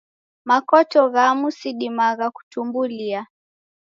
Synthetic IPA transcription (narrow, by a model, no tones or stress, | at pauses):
makɔtɔɣamusiɗimaɣaku̥tumbulia